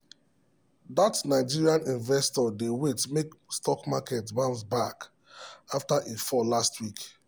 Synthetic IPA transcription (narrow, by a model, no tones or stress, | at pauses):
datnaɪd͡ʒiɹiãnĩnvɛstɔdewetmekstɔkmakɛtbãmsbak | aftaʔefɔlastwik